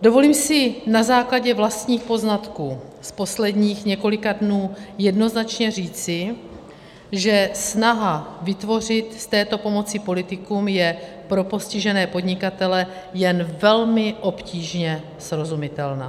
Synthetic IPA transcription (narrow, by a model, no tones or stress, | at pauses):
do̞vo̞liːmsɪnazaːklaɟɛvlast̪ɲiːxpo̞znat̪kuː | spo̞slɛdɲiːxɲɛko̞lɪkadnuːjɛdno̞znat͡ʃɲɛriːt͡sɪ | ʒɛsnaɦavɪt̪vo̞r̝ɪt̪st̪ɛːt̪o̞po̞mo̞t͡sɪpo̞lɪt̪ɪkuːmjɛ | pɾo̞po̞scɪʒɛnɛːpo̞dɲɪkat̪ɛlɛ | jɛnvɛlmɪʔo̞pciːʒɲɛ | sɾo̞zumɪt̪ɛlna̰ː